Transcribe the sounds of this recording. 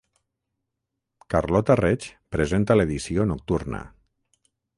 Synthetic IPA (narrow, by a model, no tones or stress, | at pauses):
karlɔt̪aret͡ʃpɾezent̪aleðisionok̚t̪uɾnə̰